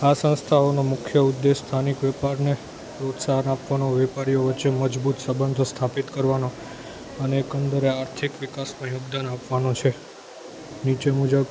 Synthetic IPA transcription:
asə̃nst̪ʰaonomʊkʰjəud̪ːest̪ʰanikʋɛpaɾne | ɾot̪saɦənapʋanoʋɛpaɾijoʋətːt͡ʃːeməd͡ʒbut̪səbənd̪ʱst̪ʰapit̪kəɾʋano | əneːkənd̪əɾeaɾt̪ʰikʋikasmãjobd̪anapʋanot͡ʃʰe | nit͡ʃemud͡ʒəb

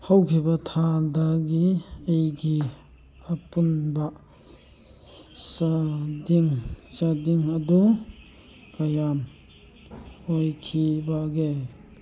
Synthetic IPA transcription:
hawkʰibɐtʰadaɡiejɡi | ɐpunbɐ | sadiŋsadiŋɐdu | kɐjam | ojkʰibaɡe

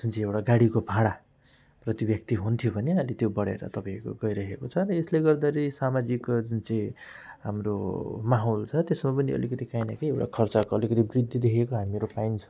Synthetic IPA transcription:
sunt͡sʰĩewʈaɡaɽikobʱaɽa | prʌt̪ibjʌkt̪iɦunt̪ʰjobʱʌneʌlet̪jobʌɽḛɾʌ̰t̪ʌpãiko̰ɡʌjɾʌɦekot͡sʰʌɾʌesleɡʌrd̪aɾʌsamad͡zikd͡zunt͡sʌĩɦamro̰maɦolt͡sʰʌt̪esmapʌniʌ̰likʌt̪ikajnakejewʈa̰kʰʌrt͡sakoʌlikʌt̪ibrid̪ʱːid̪ekʰekoɦamimeɾopajnt͡sʰʌ̥

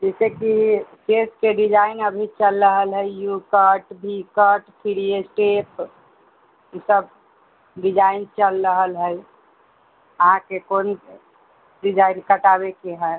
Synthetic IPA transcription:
d͡ʒɛsekiseskeɖid͡ʒaɪnəbʱit͡ʃəlːəɦəlɦəijukəʈbʱikəʈpʰiɾijesʈep | isəb̚ | ɖid͡ʒaɪnt͡ʃəlɾəɦəlɦəj | əɦãkekoːn | ɖid͡ʒaɪnkəʈabekeɦɛ

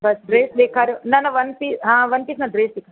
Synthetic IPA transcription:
bɐsɖɾeːsd̪eːkʰaːɾjonɐnɐʋɐnpiːsɦãːʋɐnpiːsnɐɖɾeːsd̪eːkʰa

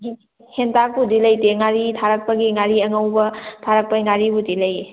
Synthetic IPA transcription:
hentabudilɐjteŋaɾitʰaɾɐk̚pɐɡiŋaɾiɐŋɐwbɐtʰaɾɐk̚pɐiŋaɾibudilɐje

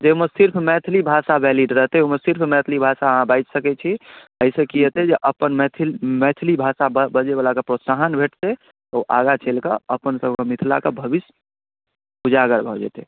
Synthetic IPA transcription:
d͡ʒeməsiɾpʰmɛt̪ʰlibʱasabɛliɖɾəɦt̪eɛoməsiɾpʰmɛt̪ʰlibʱasaɦãbaɪt͡ʃsəkɛt͡ʃʰiəɪsekiət̪ed͡ʒeʔəpənmɛt̪ʰmɛt̪ʰlibʱasabəd͡ʒeβalakəpɾosaɦənbʱeʈt̪e | t̪ɔuʔa̰ɡat͡ʃʰelkəəpənsəbʱkəmit̪ʰla̰kəbʱəbis | ud͡ʒaɡəɾbʱɔd͡ʒɛ̰t̪e

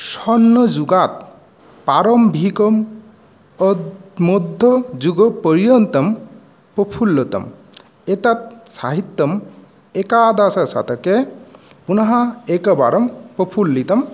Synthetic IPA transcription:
sɔnːɔd͡ʒuɡat̪̚ | paɾɔmbʱikɔm | mod̪ʱːɔd͡ʒuɡɔpɔɾijɔnt̪ɐm | pɔpʰulːɔt̪ɐ̰m | et̪at̪̚sa̰ɦit̪ːɔm | ekad̪asɐsa̰t̪ʰɔke | punɐɦaekɐba̰ɾɔmpɔpʰulːit̪ɐm

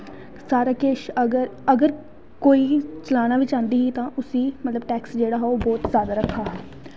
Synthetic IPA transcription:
saːɾaːkeːʃəɡəɾəɡəɾ | koːiːt͡ʃəlaːñaːʋɪt͡ʃãːnd̪iːɦiːt̪ãːʔʊsĩːmət̪ləbʈɛːksd͡ʒeːɽaːɦɛːoːbɔːt̪zjaːd̪aːɾəkʰːaːɦɛː

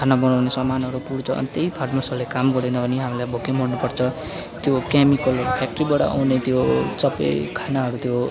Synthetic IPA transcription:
kʰanabʌnawnesʌmanɦʌɾupuɽt͡sʰʌʌ̰nit̪ejpʰarmosʌɾulekamɡʌɾenʌbʱʌniɦamilajbʱokemuɽnupʌrt͡sʰʌ | t̪jokamikʌlpʰak̚ʈribaɽʌ̰ʔa̰wnet̪josʌpːʌ̰jkʰanaɦʌɾut̪jo

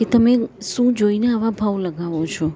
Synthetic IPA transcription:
ket̪əmeʃũd͡ʒoinaaʋabʱaʋləɡaʋot͡ʃʰɔ

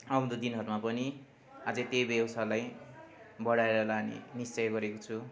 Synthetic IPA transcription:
ʌʌnd̪od̪inɦʌɾmapʌni | ad͡zʌt̪ejbewsalaj | bʌɽaeɾʌlanḛnist͡sʌjɡʌɾekot͡sʰu

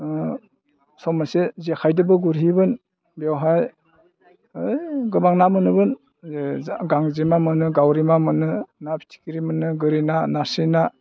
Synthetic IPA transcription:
sɔmasezekʰajdɯbɯɡuɾɦibɯn | biawɦaj | ɯjɡɯbaŋnamɯnɯbɯn | ɡaŋzemamɯnɯɡawɾimamɯnɯnapʰi̥tʰi̥kiɾimɯnɯɡɯɾinanasina

